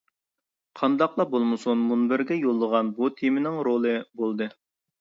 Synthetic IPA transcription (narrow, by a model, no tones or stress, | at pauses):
qʰɑnd̪ɑqlˠɑbolˠmɨsunmunbɪɾɡʲɛjolˠːəʁɑnbut̪ʰimɪnɪŋɾolˠɨbolˠd̪ɨ